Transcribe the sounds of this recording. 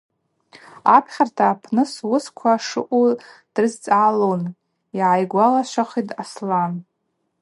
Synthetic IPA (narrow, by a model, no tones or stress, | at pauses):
apʰχʲartʰaːpʰnɨswʊskʷʰaʂɨ̰ʔʷʼud̥rɨzt͡sʼalon | iʕajɡʷalaʃʷaχitʼaslan